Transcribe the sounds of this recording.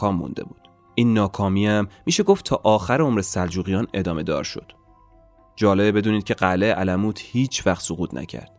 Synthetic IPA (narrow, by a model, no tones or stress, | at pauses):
ɒːmːṵnd̪e̞̰buːd̪̥ | ʔiːnːɒːkʰɒːmiːæmːiːʃe̞ɡoft̪ʰɒːʔɒːxæɾeomɾesæld͡ʒuːɣijɒːne̞d̪ɒːme̞d̪ɒ̰ːɾʃo̞̰d̪̥ | d͡ʒɒːlebbe̞d̪uːniːd̪̚cʰe̞ɢæleʔælæmuːt̪ʰhiːt͡ʃʰvæχt̪soɣuːt̪ʰnʔæ̰cʰæ̰ɾd̪̥